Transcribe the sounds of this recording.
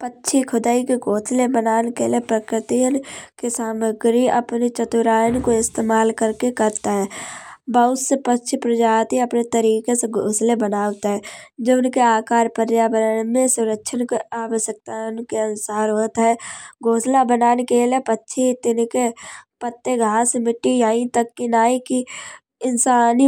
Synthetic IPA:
pətːʃʰikʰʊd̪aːikeɡoːslebənaːnekelepɾəkɾɪt̪ijənkesaːməɡɾiə̰pnit͡ʃət̪ʊɾaːjənkoɪst̪eːmaːlkəɾkekəɾt̪aɦɛːbəʊsepətːʃʰipɾəd͡ʒaːt̪iəpnet̪əɾiːkeseɡʱoːslebənaːʋt̪ɦɛːd͡ʒeʊnkeaːkaːɾpəɾjaːbəɾənmẽsʊɾəkʃʰənkeaːʋəʃək̚t̪ankeənʊsaːɾɦoːt̪ɦɛɡʱoːslabənaːnekelepətːʃʰit̪ɪnkepət̪ːeɡʱaːsmɪʈːijaːĩt̪əkːinaːiki | ɪnsaːni

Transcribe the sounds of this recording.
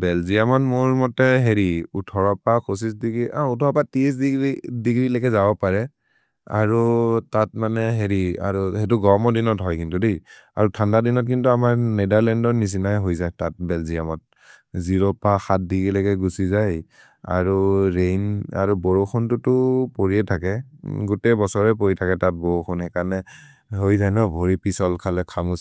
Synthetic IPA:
bɛlzijamɔnmʊɹmɔtɛɦeɹiutʰɔɹɔpakʰus̬isdiɡɹiʔautʰɔɹɔpatiis̬dɡdiɡɹilakɛzabɔpaɹɛ | a̰ɹutatmanɛɦeɹia̰ɹuhet̬uɡɔmɔdinɔtɦɔjkintudej | a̰ɹutʰandadinɔt̚kintuamaɹnedaɹlɛndɔɹnis̬inajɦojzajtat̚bɛlzijamɔt̚ | ziɹɔpaxat̚diɡilɛɡɛɡusizaj | a̰ɹuɹejna̰ɹuboɹoxʰɔntʊtʊpoɹiɛtʰakɛɡutɛbɔsɔɹɛp̬oɹitʰakɛtat̚boɹoxʰɔnɦɛkanɛ | ɦojzajnɔbʱoɹipisɔlkʰalɛkʰamus

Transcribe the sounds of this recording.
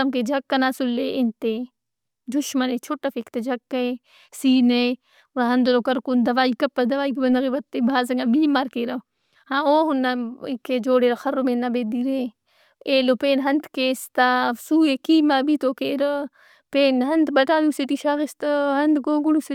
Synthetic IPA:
ɐmked͡ʒɐkːɐnasulːeent̪e | d̪ʊʃmɐnet͡ʃʰoːʈafekt̪ed͡ʒɐkːɐe | siːne | ɾaɦɐnd̪lokɐɾkund̪ɐʋaːikɐpːɐd̪ɐʋaːikbɐnd̪ɐɣeʋɐt̪ːebʱaːzɐŋabiːmaːɾkeːɾɐ | haoːɦunːakːed͡ʒoːɽeːɾɐxɐɾomeːnːabeːd̪iɾeː | eːlopeːnɦɐnt̪keːst̪asuːekimaːbit̪oːkeɾɐ | peːnɦɐnt̪bɐʈaːluseʈ̪iʃaɣist̪ɐɦɐnd̪ɡoːɡuɽus

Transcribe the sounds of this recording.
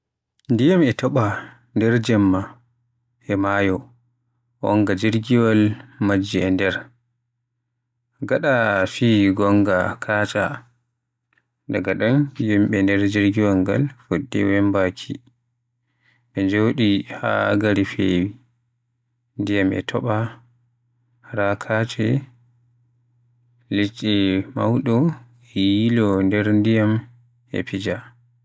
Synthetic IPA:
ndijamɛtɔɓa | ndɛɾd͡ʒɛmːa | ʔɛmajɔ | wɔ̰ŋɡad͡ʒiɾɡiwalmad͡ʒːiɛndɛɾ | ɡaɗafiɡɔŋɡa̰kʰaːt͡ʃa̰ | daɡaɗanjimɓɛndɛɾd͡ʒiɾɡiwaŋɡa̰lfodːḭwɛmbakʰḭ | ɓɛɲd͡ʒoɗiha̰ɡaɾifḛːwi | ndijamɛ̰tʰɔɓa | ɾakʰat͡ʃɛ | lit͡ʃʼːima̰wɗɔ | ɛjilɔndɛɾndijam | ɛ̰pid͡ʒa

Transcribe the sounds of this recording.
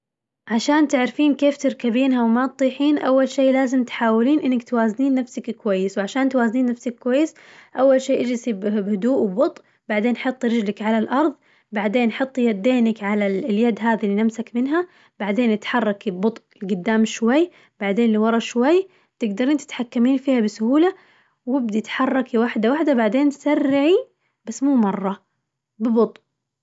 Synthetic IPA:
ʕaʃaːnt̪ɪʕɾfiːnkeːft̪ɪɾkabiːnɦawmat̪̚t̪ˤːiːħiːnʔawːalʃeːlaːzɪmt̪ħaːwɪliːnʔɪnːɪkt̪waːzniːnːafsakkwajːɪswʕaʃaːnt̪waːzniːnːafsakːwajːɪs | ʔawːalʃeːʔad͡ʒɪsibbhʊd̪uːʔwbʊt̪ˤ | baʕd̪eːnʔħɑt̪ˤːɾɪd͡ʒlakʕalalʔɑɾˤðˤ | baʕd̪eːnʔħɑt̪ˤːjad̪ːeːnakʕalaljad̪ɦaːðilːinamsakmɪnɦa | b̥aʕd̪eːnʔɪt̪ħɑrˤːɑkibbʊt̪ˤʔɪlɡʊd̪ːaːmʃwajː | baʕd̪eːnliːwɑɾˤɑʃwajː | t̪ɪɡd̪ɑɾiːnt̪ɪ̥t̪ħakːamiːnfiːhabɪsʊhuːla | wɪb̚d̪it̪ħɑrˤːɑkiwaħd̪awaħd̪abaʕd̪eːnt̪sarːɪʕi | basːmuːmɑrˤːɑ | bɪbʊt̪ˤ

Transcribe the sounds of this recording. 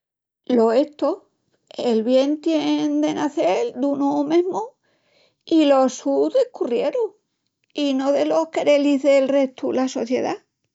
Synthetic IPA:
lo̞e̞ht̪o | elβje̞nt̪jend̪e̞naθeld̪unomẽɦmo | ilo̞suðehkurje̞ɾo | inoðe̞lo̞hkeɾeliɦðe̞lre̞ht̪ulaso̞θje̞̰ða

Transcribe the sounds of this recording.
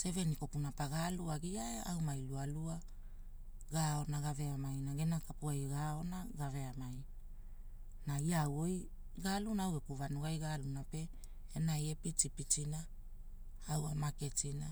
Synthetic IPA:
se̞ve̞niko̞punapaɡaluaɡiaeawmajlualua | ɡao̞naɡave̞amajnaɡenakapuajɡao̞naɡave̞amaj | naiawoj | ɡalunaawepuvanuɡajɡalunape̞ | enajepit͡ʃipit͡ʃina | awamake̞t͡ʃina

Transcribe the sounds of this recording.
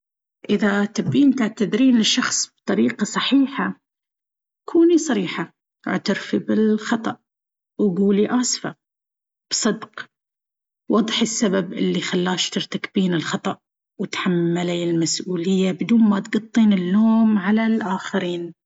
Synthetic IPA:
ʔɪðat̪abːiːnt̪aʕt̪ad̪ɾiːnɪʃːɑxsˤb̚t̪ˤɑɾiːqɑsˤɑħiːħa | kʰuːnisˤɑɾiːħa̰ | ʕt̪ɪɾfibɪlxɑt̪ˤɑʔ | wɡuːliʔaːsfa | b̥sˤɨd̪q | wɑd̪ˤħɪsːababʔɪlːixalːaːʃt̪ɪɾt̪akbiːnɪlxɑt̪ˤɑʔ | wɪt̪ħamːalaɪlmasʔuːlɪjːabɪd̪uːnmat̪ɡɑt̪ˤːiːnɪlːoːmʕalalʔaːxɪɾiːn

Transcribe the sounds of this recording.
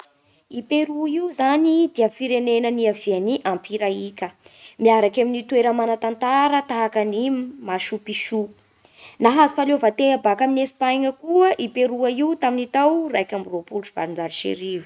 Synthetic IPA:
ipeɾuizanid̪iəfiɾenenəniavianiʔampiɾaikʲəmiaɾakaminit̪weɾəmanat̪ant̪aɾət̪aɦakənimaʃupiʃu | naɦazufalovat̪eabakaminesi̥pajŋəkuəʔipeɾuaiut̪aminit̪awrajkʲambropulut͡ʃiv̥a̰ɾind͡zaɾiʃḛɾivu̥

